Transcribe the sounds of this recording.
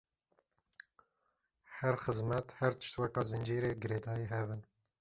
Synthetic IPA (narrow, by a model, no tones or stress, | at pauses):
hɛɾxɨzmɛt̪hɛɾt̪ɨ̥ʃt̪wɛkɑːzɨnd͡ʒiːɾeːɡɨɾeːd̪ɑːjiːɦɛvɨn